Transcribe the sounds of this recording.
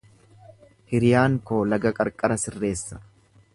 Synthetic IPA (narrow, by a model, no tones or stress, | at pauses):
hɪɾɪjaːŋkoːlɐɡɐkʼɐɾkʼɐɾɐsɪrːe̞ːsːɐ̥